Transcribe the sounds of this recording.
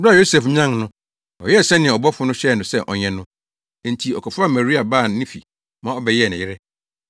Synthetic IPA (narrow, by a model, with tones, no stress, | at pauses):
ba˦˨jo˦se˨fɲã˦ŋnʊ̃˦ | ɔ̰˨jɛ˦˨sɛ̃˦nɪ̃˨ɔ˨bɔ˦fʊ˨˦nʊ̃˦ɕɛ˦˨nʊ̃˨sɛ˦˨ʔɔ̰˨ɲɛ̃˨nʊ̃˦˨ | n˨tʰi˨ɔ̰˨kʰɔ˨fʊ˦a˦˨ma˨ɾi˦a˨ba˦˨˦nɪ̃˦fi˨ | mã˦ɔ˦bɛ˨jɛ˦˨nɪ̃˨jɪ˦ɾɛ˦